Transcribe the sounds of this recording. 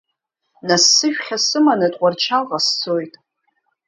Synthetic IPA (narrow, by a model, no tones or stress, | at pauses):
nasːɨʃᶣχʲasɨmanɨtʼqʷʼart͡ʃʰalʁast͡sʰojtʼ